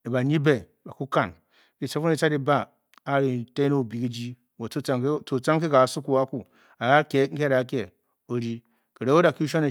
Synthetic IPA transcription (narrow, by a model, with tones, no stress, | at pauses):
i˨ba˨ɲi˦be˨ | ba˨ku˦ka˨n | i˨t͡ʃa˦fu˦i˦t͡ʃa˦di˦baː˦˨˦ | ɾi˨te˦no˦˨bi˨ki˦d͡ʒi˦ | wo˨u˦a˦t͡so˨t͡sa˦ŋk̬i˦ɡa˨su˦ku˨a˦ku˨ | a˨ɡa˦kʲe˨˦ŋ̩˦kʲe˦da˨˦kʲe˨ | o˨ɾi˦ | ki˨ɾe˦o˦da˨ki˦ʃ̬a˦ne˨